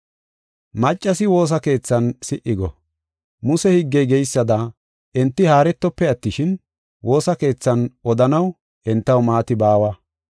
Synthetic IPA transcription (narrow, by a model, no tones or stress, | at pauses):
mɐt͡ʃʼːɐsɪwo̞ːs̬ɐke̞ːt͡sːɐnsɪʔɪɡɔ | mʊsɛhɪɡːɛjɡɛjsːɐd̪ɐ | ʔɛnt̪ːɪhaːɾɛt̪ːɔpːɛɐt̪ːɪʃɪn | wo̞ːsɐke̞ːt͡sːɐnɔd̪ɐnɐw | ʔɛnt̪ːɐwmaːt̪ɪbaːwɐ